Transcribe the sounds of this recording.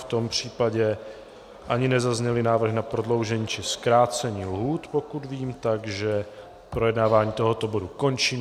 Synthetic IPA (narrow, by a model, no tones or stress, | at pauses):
ft̪o̞mpr̝̥iːpaɟɛ | ʔaɲɪnɛzazɲɛlɪnaːvr̩ɣnapɾo̞dlo̞wʒɛɲiːt͡ʃɪskɾaːt͡sɛɲiːlɦuːt̪po̞kud̪viːmt̪aɡʒɛ | pɾojɛdnaːvaːɲiːt̪o̞ɦo̞t̪o̞boduko̞nt͡ʃiːm